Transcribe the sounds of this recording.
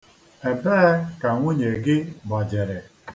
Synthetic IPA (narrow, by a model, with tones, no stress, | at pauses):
e˨be˦ka˨ŋʷo˦ɲe˨ɡɪ˦bɔ˨d͡ʒe˨ɾe˨